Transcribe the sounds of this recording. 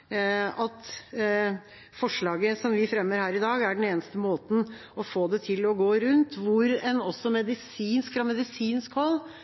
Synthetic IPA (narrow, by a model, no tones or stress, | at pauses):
ɑt̪ | fɔʂɭɑːɡəsɔmʋɪfɾɛmːəɾhæːɾɪd̪ɑːɡæɖɛn̩eːnəst̪əmoːt̪n̩ | ɔfoːd̪ɛt̪ʰɪlɔɡoːɾʉnt̪ʋʊɾɛnɔsːɔmɛd̪ɪsiːnskfɾɑmɛd̪ɪsiːnskhɔlː